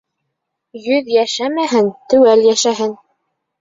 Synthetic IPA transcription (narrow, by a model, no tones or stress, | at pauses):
jɵðjæʃæmæɦɘnt̪ɵ̆wæljæʃæɦɘn